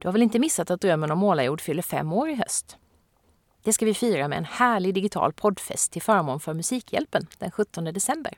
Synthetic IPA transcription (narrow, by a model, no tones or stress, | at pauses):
d̪̥ɵhaɾvɛlɪnt̪əmɪsːat̪at̪̚d̪ɾœmːənɔmːoːlajuːɖfʏlːəɾfɛ̰mːoːɾɪɦœ̰st̪ | d̪̥ɛskavɪfyːɾamɛ̰ɛ̰nhæːɭɪɡd̪ɪɡɪt̪ʰɑ̰ːlpʰɔd̪fɛ̰st̪ʰːɪlfœːɾmoːnfœɾmɵsiːkʰjɛ̰lpənd̪̥ɛnɧɵt̪ːɔnd̪əd̪ɛsɛmbə̰ɾ